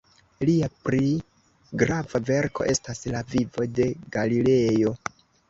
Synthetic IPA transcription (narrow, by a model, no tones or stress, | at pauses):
liapɾi | ɡɾavave̞ɾko̞̰ʔe̞staslavivo̞de̞ɡ̥alile̞jo̞